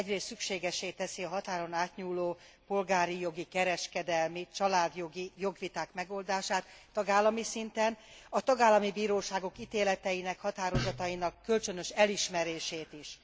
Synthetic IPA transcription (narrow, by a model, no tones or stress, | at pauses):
ɛɟreːst̪sykʃeːɡɛʃeːt̪ɛsiɒɦɒt̪aːɾo̞naːt̪ɲuːloː | po̞lɡaːɾijo̞ɡikɛɾɛʃkɛd̪ɛlmit͡ʃɒlaːd̪jo̞ɡijo̞ɡʋit̪aːkmɛɡo̞ld̪aːʃaːt̪ːɒɡaːlːɒmisint̪ɛnɒt̪ɒɡaːlːɒmibiːɾoːʃaːɡo̞kit̪eːlɛt̪ɛjinɛkhɒt̪aːɾo̞zɒt̪ɒjinɒkːølt͡ʃø̞nø̞ʃɛliʃmɛɾeːʃeːt̪iʃ